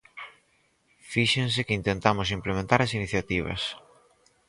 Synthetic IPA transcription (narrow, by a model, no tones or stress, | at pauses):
fiʃẽns̬ɪkɪint̪ent̪amʊs̬implemẽnt̪aɾɐsiniθjat̪iβ̞ɐ̰s